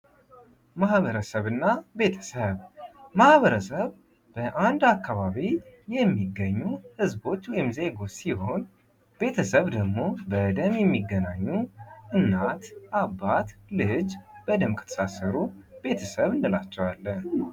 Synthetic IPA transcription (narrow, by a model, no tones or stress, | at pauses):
mahβəɾəsəβɨnːabe̞t̪ʰə̥səβmahβəɾəsəβ | b̥əʔand̪akːaβaβijɛmːiɡəɲːuhɨzbo̞t͡ʃːwɔjɪmze̞ɡo̞t͡ʃːsih̞o̞n | b̥e̞t̪ʰəsəβd̪əɡmo̞bəd̪əmjɛmːiɡːənaɲːuʔɨnːat̪ʔabːat̪lɨd͡ʒb̥əd̪əmkʰə̥t̪ʰə̥sasɨɾube̞t̪ʰəsəβɨnːɨlat͡ʃːɛwalːən